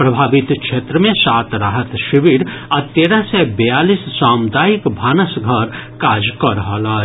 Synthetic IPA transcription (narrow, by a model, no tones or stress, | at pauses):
pɾɐbʱaːʋɪt̪kʃʰeːt̪ɾəmẽsaːt̪ɾaːɦət̪ʃiʋiɾɐt̪eːɾasɛbɛjaːliːssaːmd̪aːjikbʱaːnəsɡʱəɾkaːd͡ʒkəɾɦəlaː